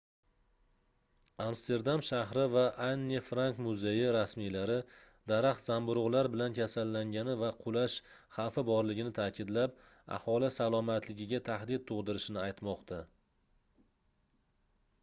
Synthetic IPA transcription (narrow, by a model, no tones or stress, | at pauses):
amst̪ʰe̞ɾd̪amʃahɾɪvaʔanːefɾankmʊzejɪɾasmijlaɾɪ | d̪aɾaχt̪z̥ambʊɾʊʁlaɾbɪlankʲʰasalːaŋɡʲanɪvaqʰʊlaʃχafɪbɒɾlɪɡʲɪnɪt̪ʰaːkʲʰɪd̪lap̚ | a̰hɒlˠɪsalˠɒmat̪ʰlɪɡʲɪɡʲat̪ʰahd̪ɪd̪̚t̪ʰʊʁd̪ɪɾɪʃɪnɪajt̪mɒqt̪ʰa